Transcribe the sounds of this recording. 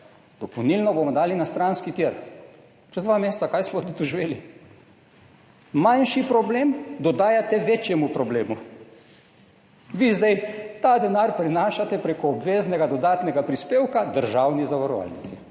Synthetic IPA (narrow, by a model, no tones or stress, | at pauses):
d̪ɔpɔwnilnɔbomɔd̪aːlinast̪ɾanskit̪iɾ | t͡ʃɛzd̪ʋameːst̪sakajsmɔt̪ut̪ɔʒiʋeːli | manʃipɾɔbleːmd̪ɔd̪aːjat̪ɛʋeːt͡ʃjɛmupɾɔbleːmu | ʋizd̪ɛjt̪aːd̪ɛnaɾpɾinaːʃat̪ɛpɾekɔːbʋeːznɛɡad̪ɔd̪aːt̪nɛɡapɾispeːwkad̪əɾʒaːwnizaʋaɾɔʋa̰lnit̪si